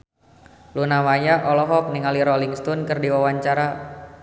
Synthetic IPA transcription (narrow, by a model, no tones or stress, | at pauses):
lunamajaʔɔlɔɦɔk̚niŋaliɾɔliŋst̪ɔnkərdiwawaɲt͡ʃaɾa